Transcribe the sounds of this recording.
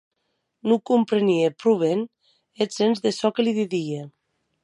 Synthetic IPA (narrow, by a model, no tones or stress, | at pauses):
nukumpɾeniepɾuβ̞en | ezenzðesɔkeliðiðie